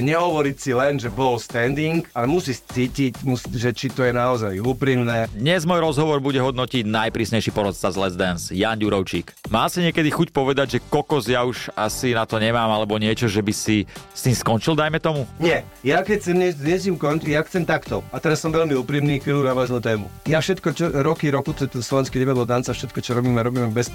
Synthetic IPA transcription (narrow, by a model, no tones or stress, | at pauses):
ɲɛɦɔʋɔɾicsilɛnʒɛbɔlst̪ɛnd̪iŋkalɛmusist͡siːcicmusiʒɛt͡ʃit̪ɔjɛnaɔzajuːpɾiːmnɛd̪ɲɛzmɔːjɾɔzɦɔʋɔɾbuɟɛɦɔd̪nɔciɟnajpɾiːsɲɛjʃipɔɾɔt͡st͡sazlɛzd̪ɛnsjaːnɟuɾɔʊt͡ʃiːkmaːsiɲɪɛkɛd̪ixucpɔʋɛd̪aɟʒɛkɔkɔzjauʒasinat̪ɔɲɛmaːmalɛbɔɲɪɛt͡ʃɔʒɛbisist̪iːmskɔnt͡ʃild̪ajmɛt̪ɔmuɲɪɛ | jakɛc̚t͡sɛmɲɛzɪɛzimkɔnt̪ijaxt͡sɛmt̪akt̪ɔat̪ɛɾasːɔmʋɛʎmiuːpɾiːmniːxʋiːlunaːʋaznuːt̪ɛːmṵjafʃɛt̪kɔt͡ʃɔɾɔkiɾɔkut̪ɔɛt̪ɛnslɔʋɛnskid̪ɛʋad̪lɔlt̪ant͡safʃɛt̪̚kɔt͡ʃɔɾɔbiːmɛɾɔbiːmɛbɛs